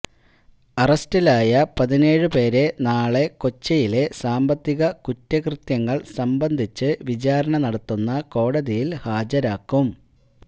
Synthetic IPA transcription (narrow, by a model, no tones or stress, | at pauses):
ɐrɐstilaːjɐpɐðine̞ːɻɨpe̞ːɾe̞naːɭe̞ko̞t͡ɕːɐjile̞saːmbɐt̪ːiɣɐkutːɐkrɨt̪jɐŋːɐɭsɐmbɐnd̪ʱit͡ɕːɨʋit͡ɕaːɾɐɳɐnɐɽɐt̪ːunːɐko̞ːɽɐðijilhaːd͡ʑɐɾaːkːum